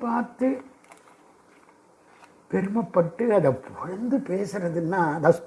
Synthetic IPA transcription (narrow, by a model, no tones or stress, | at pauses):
paːɾt̪ɯ | pɛɾɯmɐpːɐʈːɯɐðɐpɔrɐnd̪ɯpeːsɪɾɐðɯnːaːɐðɐs